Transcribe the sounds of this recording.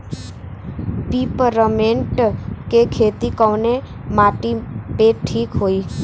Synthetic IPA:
pipəɾəmeɳʈkekʰet̪ikəʋne | maʈipeʈʰːiːkɦoi

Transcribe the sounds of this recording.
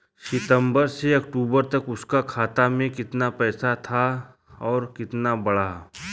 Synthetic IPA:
ʃɪt̪ə̃mbəɾseɐkʈuːbəɾt̪ɐkʊskakʰaːt̪amẽkɪt̪napɛːsat̪ʰa | ɔːɾkɪt̪nabɐɽa

